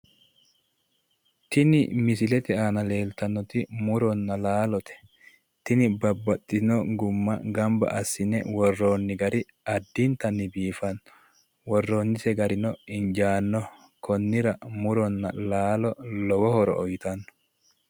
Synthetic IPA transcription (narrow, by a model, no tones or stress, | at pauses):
t̪ɪnɪ̰mɪsɪlɛt̪ɛaːnɐle̞ːlt̪ɐnːɔt̪ɪmʊɾɔnːɐlaːlɔt̪ɛ̥ | t̪ɪnɪbɐbːɐt̪ʼːɪnɔɡʊmːɐɡɐmbɐ̰ʔɐsːɪnɛ̰wɔrːoːnːɪɡɐɾʔɪ | ɐd̪ːint̪ɐnːɪbiːfɐnːɔ | wɔrːoːnːɪsɛɡɐɾɪnɔɪnd͡ʒaːnːɔ | kʰɔnːɪɾɐmʊɾɔnːɐlaːlɔlɔwɔhɔɾɔ̰ʔɔjt̪ɐnːɔ̥